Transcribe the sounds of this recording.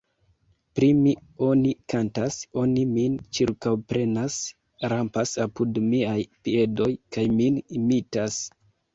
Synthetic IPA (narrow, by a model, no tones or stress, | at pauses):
pɾimio̞nikantaso̞nimint͡ʃiɾkawpɾe̞nas | ɾampasapudmiajpie̞do̞jkajminimitas